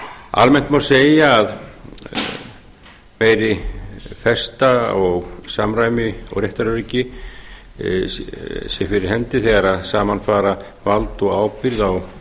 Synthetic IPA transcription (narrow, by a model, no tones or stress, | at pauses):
a̰lmɛn̥t̪mawseːjaːð | meːjɾɪfɛst̪aɔɣsamɾaːjmɪɔ̰ɣrjɛht̪aɾʏɾɪcɪ | sjɛfɪɾɪɾ̥hɛnt̪ɪθɛɣaɾaðsaːmanfaːɾa | valt̪ɔɣaːwpɪɾðaw